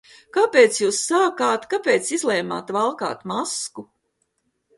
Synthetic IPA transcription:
kapeːt̪sjuːsːaːkaːt̪kapeːt̪sizlˠɛjma̰ːt̪valˠka̰ːt̪masku

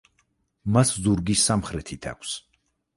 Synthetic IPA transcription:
maszuɾɡisːamχɾɛt̪ʰit̪ʰa̰kʷʰs

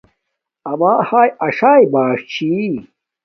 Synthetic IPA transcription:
ɐmaːhaːjɐʂaːjbaːʂt͡ɕʰi

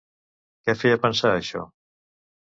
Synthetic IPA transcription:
kɛfɛjəpənsaəʃɔ̰

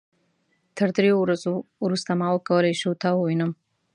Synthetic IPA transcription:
t̪ʰəɾd̪ɾejowɾazoɾust̪amɑwəkawəlajʃut̪ɑwəwinəm

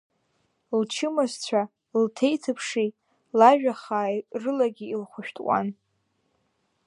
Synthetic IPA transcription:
lt͡ʃʰɨmazt͡ɕʷʰa | ltʰe̞jtʰɨpʰʂi | laʒᶣaχaːjrɨlaɡʲiilχʷʊʃᶣtʰʼwʷa̰n

